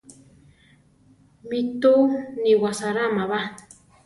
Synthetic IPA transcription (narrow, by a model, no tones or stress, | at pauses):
mit̪uniwasaɾamaβa